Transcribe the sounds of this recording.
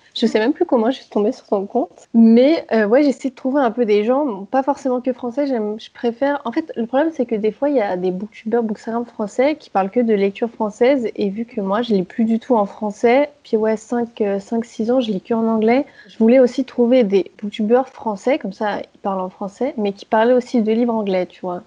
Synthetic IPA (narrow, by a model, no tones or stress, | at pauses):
ʒ̥əsɛmɛ̃mplykɔmɑ̃ʒəsi̥t̪ɔ̃besy̥ʁsɔ̃kɔ̃t̪mɛøwɛʒesɛjd̪ət̪χuveɛ̃pød̪eʒɑ̃pafɔʁsemɑ̃kəfχɑ̃sɛʒɛmʒ̥əpχefɛʁɑ̃fɛt̪ləpχɔblɛmsɛkəd̪efwaijad̪ebuk̚t̪ybœʁbukst̪aɡʁamfχɑ̃sɛkʲʰi̥paʁlkəd̪əlɛk̚t̪ʰyʁfχɑ̃sɛzevykʰəmwaʒəlɛplyd̪yt̪ʰuɑ̃fχɑ̃sɛpiwɛsɛ̃køsɛ̃ksizɑ̃ʒəlɛkəɑ̃nɑ̃ɡlɛʒəvulɛosit̪χuved̪ebukt̪ybœʁfχɑ̃sɛkɔmsaipaʁlɑ̃fχɑ̃sɛmɛkʲʰi̥paʁlɛosid̪əlivʁɑ̃ɡlɛt̪yvwa